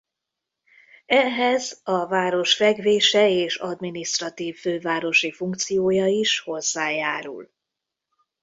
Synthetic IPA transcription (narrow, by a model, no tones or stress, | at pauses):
ɛɦɛzɒvaːɾo̞ʃfɛɡveːʃɛeːʃɒd̪minist̪rɒt̪iːvːøːvaːɾo̞ʃifuŋk̚t̪sijoːjɒiʃho̞zːaːjaːɾṵl